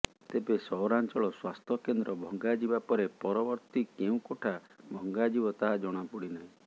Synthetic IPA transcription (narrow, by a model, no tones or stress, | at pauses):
t̪ebesɔɔɾant͡ʃɔɭɔswast̪ʰɔkend̪ɾɔbʱɔŋɡad͡ʒibapɔɾepɔɾɔbɔɾt̪ikeũkoʈʰa | bʱɔŋɡad͡ʒibɔt̪aɦad͡ʒɔɽ̃apuɽinaɦĩ